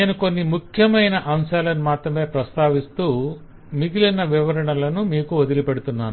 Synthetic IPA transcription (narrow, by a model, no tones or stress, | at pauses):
eːnuko̞nːimukʰjɐmɐjnɐʔɐmʃaːlɐnimaːt̪ɾɐmeːpɾɐst̪aːʋist̪uː | miɡ̪ilɐnːɐʋiʋɐɾɐɳɐlɐnumiːkuod̪ilipeɽut̪unːaːnu